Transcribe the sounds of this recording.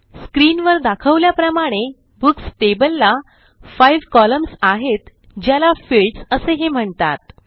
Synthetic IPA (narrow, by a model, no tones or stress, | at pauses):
skɾinʋəɾd̪akʰəʋljapɾəmaɽ̃e | buksʈebəlːa | fajʋkɔləmsaɦet̪ | d͡ʑjalafilʈsəseɦem̤əɳt̪at̪̚